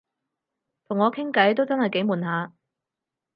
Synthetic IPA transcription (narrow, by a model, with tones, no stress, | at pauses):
t̪ʰʊ˨˩ŋːɔː˨˧kʰɪ˥ŋkɐ˨˥jt̪o˥wt͡sɐ˥nhɐ˨jke˨˥jmuː˨˩nɦaː˨˧